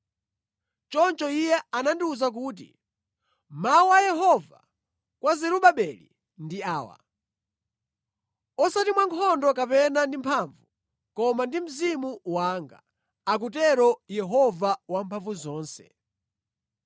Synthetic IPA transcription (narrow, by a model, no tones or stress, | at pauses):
t͡ʃɔnt͡ʃɔijɛanandiuzak̬uːt̬ḭ | mawajɛɦɔva̰ | kwazɛɾuɓaɓɛlḭ | ndiaːwa̰ | ɔsatimwaŋkʰɔndɔkapɛnandimpʰaɱvu | kɔmandim̩zimuwaːŋɡa̰ | ak̬utɛɾɔjɛɦɔvawampʰaɱvuzɔːnsɛ̥̰